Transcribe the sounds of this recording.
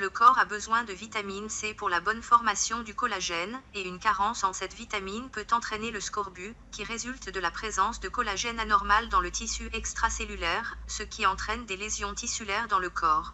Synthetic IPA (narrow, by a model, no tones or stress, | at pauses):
ləkɔʁabəzwɛ̃d̪əvit̪aminsɛpuʁlabɔnfɔʁmasjɔ̃d̪ykɔlaʒɛneynkaʁɑ̃sɑ̃sɛt̪vit̪aminpøt̪ɑ̃t̪χɛneləskɔʁbykʲiʁezylt̪d̪əlapχezɑ̃sd̪əkɔlaʒɛnanɔʁmald̪ɑ̃lət̪isyʔɛkst̪χaselylɛʁsəkʲʰiɑ̃t̪χɛnd̪elezjɔ̃t̪isylɛʁd̪ɑ̃ləkʰɔːʁ